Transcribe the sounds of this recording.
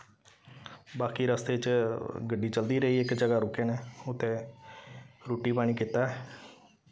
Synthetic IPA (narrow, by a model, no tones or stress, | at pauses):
baːkiːɾəst̪eːt͡ʃɡəɖːiːt͡ʃəld̪iːɾəiːɪkd͡ʒəɡaːɾʊkeːneːʊt̪ʰːẽː | ɾoːʈiːpaːɽ̃iːkɪt̪ːaːɦɛ